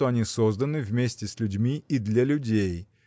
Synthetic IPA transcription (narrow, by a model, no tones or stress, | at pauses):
t̪oɐnʲisozd̪ənɨvmʲesʲtʲɪsʲlʲʉdʲmʲiid̪lʲalʲʊdʲej